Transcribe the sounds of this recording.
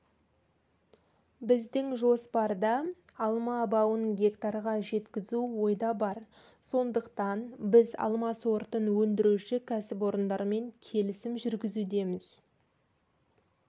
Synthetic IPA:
bɪzd̪ɪŋʒo̞spɑɾd̪ɑːlˠmɑbɑwənɡʲe̞kt̪ɑɾʁɑʒe̞t̪kʲɪzuwo̞jd̪ɑbɑɾ | so̞nd̪əqt̪ɑnbɪzɑ̰lˠmɑswoɾt̪ənwɵnd̪ɪɾuʃɪkʲʰæsɪpo̞ɾənd̪ɑɾme̞ŋkʲʰe̞lɪsɪmʒʏɾɡʲɪzud̪e̞mɪz̥

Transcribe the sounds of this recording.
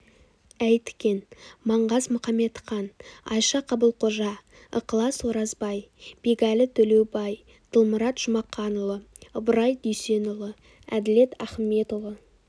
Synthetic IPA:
æjt̪ɪ̥kʲe̞nmɑɴʁɑzmʊχɑme̞t̪χɑnɑ̰jʃɑqʰɑbəlˠqʰoʒɑ | ə̰qəlˠɑswoɾɑzbɑjb̥eɡɑlɪt̪ʰɵlewbɑj | t̪ʰəlˠməɾɑt̪ʒ̥ʊmɑqʰːɑnʊlˠə | vəɾɑjd̪ʏjse̞nʊlˠə | æd̪ɪle̞t̪æχme̞t̪ovə

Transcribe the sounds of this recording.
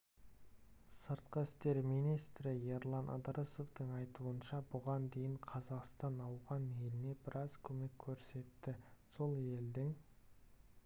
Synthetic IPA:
səɾt̪̚qəɪst̪e̞ɾmijnijst̪ɾɪje̞ɾlˠɑnʔɑ̰d̪ɾəso̞fd̪əɴɑjt̪uənʃɑbʊʁɑnd̪e̞jɪɴqʰɑzɑqst̪ɑnɑwʁɑne̞lɪne̞bɪɾʔɑzkʲʰɵme̞kʲʰːɵɾse̞t̪ːɪso̞lˠe̞ld̪ɪŋ

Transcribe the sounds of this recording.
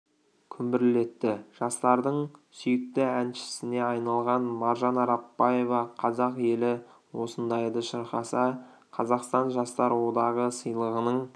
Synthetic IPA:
kʲʰʏmbɪɾɪle̞t̪ːɪʒ̥ɑst̪ɑɾd̪əɴsʏjɪk̚t̪ɪænʃɪ̥sɪne̞ɑjnɑlˠʁɑnmɑɾʒɑnɑɾɑpːɑje̞vɑqʰɑzɑqje̞lɪ | wo̞sənd̪ɑjd̪əʃəɾqɑsɑ | qʰɑzɑqst̪ɑnʒɑst̪ɑɾwo̞d̪ɑʁəsəjlˠəʁənəɴ

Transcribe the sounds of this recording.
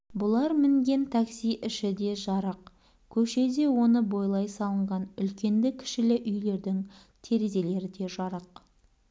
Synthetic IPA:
bʊlˠɑɾmɪŋɡʲe̞nt̪ʰɑksijʔɪʃɪd̪e̞ʒɑɾəq | kʲʰɵʃe̞d̪e̞wo̞nəbo̞jlˠɑjsɑlˠəɴʁɑnʏlkʲe̞nd̪ɪkʲʰɪ̥ʃɪlɪʔʏjle̞ɾd̪ɪŋ | t̪ʰe̞ɾe̞ze̞le̞ɾɪd̪e̞ʒɑɾəq

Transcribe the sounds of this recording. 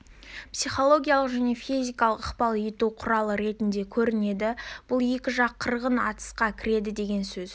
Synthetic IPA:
psijχo̞lˠo̞ɡʲijalˠəqʒæne̞fijzʲijkɑlˠəqəqpɑlˠjet̪uqʰʊɾɑlˠəɾe̞t̪ɪnd̪e̞kʲʰɵɾɪne̞d̪ɪb̥ʊlˠe̞kʲɪʒɑqʰːəɾʁənɑ̰t̪ə̥sqɑkʲʰɪɾe̞d̪ɪd̪e̞ɡʲe̞nsɵz̥

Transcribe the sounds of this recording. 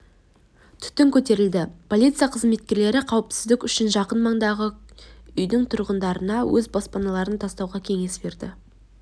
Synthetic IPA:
t̪ʰʏ̥t̪ɪŋkʲʰɵt̪e̞ɾɪld̪ɪpʰo̞lʲˠijt̪sɨjaqʰəzme̞t̪̚kʲe̞ɾle̞ɾɪqʰɑwəpsɪzd̪ɪkʲʏʃɪnʒɑqənmɑɴd̪ɑʁəʏjd̪ɪŋt̪ʰʊɾʁənd̪ɑɾənɑwʔɵzbo̞spɑnɑlˠɑɾənt̪ʰɑst̪ɑwʁɑkʲʰe̞ŋe̞sbe̞ɾd̪ɪ̰

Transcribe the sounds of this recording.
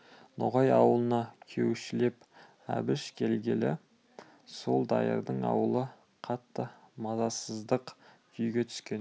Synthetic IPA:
noʁɑjɑwəlˠənɑkʲʰewʃɪle̞p | æ̰bɪʃkʲʰe̞lɡʲelɪ | so̞lˠd̪ɑ̰jə̰ɾd̪əɴɑ̰wəlˠə | qʰɑt̪ːəmɑzɑsəzd̪əqkʲʰʏjɡʲe̞t̪ʰʏ̥skʲe̞n

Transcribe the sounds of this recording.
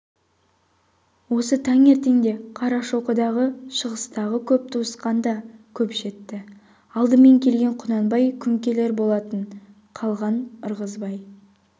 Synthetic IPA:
wo̞sət̪ʰɑŋe̞ɾt̪e̞ŋd̪e̞qʰɑɾɑʃo̞qəd̪ɑʁəʃəʁəst̪ɑʁəkʲʰɵp̚t̪ʰusqɑnd̪ɑkʲʰɵpʃe̞t̪ːɪ | ɑlˠd̪əme̞ŋkʲʰe̞lɡʲe̞ɴqʰʊnɑnbɑjkʲʰʏŋkʲe̞le̞ɾbo̞lˠɑt̪əɴ | qʰɑlˠʁɑnʊɾʁəzbɑj

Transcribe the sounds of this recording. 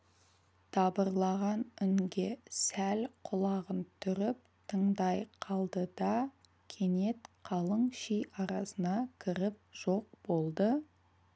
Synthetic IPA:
t̪ʰɑbəɾlˠɑʁɑnʏŋɡʲe̞sælqʰʊlˠɑʁənt̪ʰʏɾɪp̚t̪ʰəɴd̪ɑjqʰɑlˠd̪əd̪ɑ | kʲʰe̞ne̞t̪qʰɑlˠəɴʃijʔɑɾɑsənɑkʲʰɪɾɪp̚ʒ̥o̞q̚b̥o̞lˠd̪ə

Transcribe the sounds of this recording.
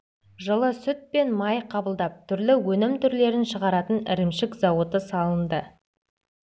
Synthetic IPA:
ʒəlˠəsʏt̪̚pe̞nmɑjqʰɑbəlˠd̪ɑp̚t̪ʰʏɾlɪwɵnɪmt̪ʰʏɾle̞ɾɪnʃəʁɑɾɑt̪ənɪ̰ɾɪmʃɪkzɑwət̪əsɑlˠənd̪ə

